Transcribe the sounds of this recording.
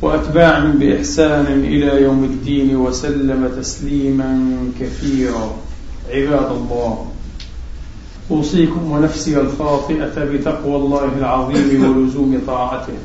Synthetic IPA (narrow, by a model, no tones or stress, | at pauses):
waʔat̪baːʕɪmbɪʔɪħsaːnɪʔɪlajawmɪd̪ːiːnwasalːamat̪asliːmankaθiːɾaʕɪbaːd̪alˤːɑːh | ʔuːsˤiːkʊmwɪnafsɪhalfɑːt̪ˤɨʔabɪt̪ɑqwalˤːaːɦɪlʕɑðˤiːmwalʊzuːmɪt̪ˤɑːʕɑt̪ɪh